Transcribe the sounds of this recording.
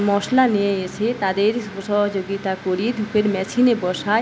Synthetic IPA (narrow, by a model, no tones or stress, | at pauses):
mɔʃlanijeeʃʰet̪ad̪eɾʃɔɦod͡ʑoɡit̪akoɾid̪ʱukeɾmɛsʰinebɔʃa